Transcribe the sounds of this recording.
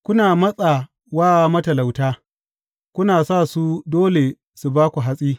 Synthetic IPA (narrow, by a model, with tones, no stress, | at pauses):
kʷʊ˦naː˨mɐ˦sʼa˨ | waː˦˨mɐ˦tɐ˨la˨wtaː˦ | kʷʊ˦naː˨saː˦˨su˦doː˦le˨ | su˨baː˦kʷu˨ɦa˦sʼiː˦